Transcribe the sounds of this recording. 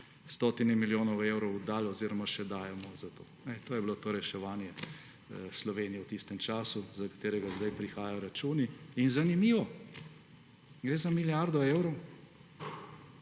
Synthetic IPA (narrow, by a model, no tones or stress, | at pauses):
st̪oːt̪inɛmiljoːnɔweːwɾɔwd̪aːlɔziɾɔmaʃɛd̪aːjɛmɔzat̪o̰ːnɛt̪oːjɛbilot̪oːɾɛʃɛʋaːnjɛ | slɔʋeːnijɛwt̪ist̪ɛmt͡ʃaːsuzakḁt̪eːɾɛɡazd̪ajpɾixaːjajɔɾat͡ʃuːniːnzanimiːʋɔ | ɡɾeːzamiljaɾd̪ɔeːwɾɔw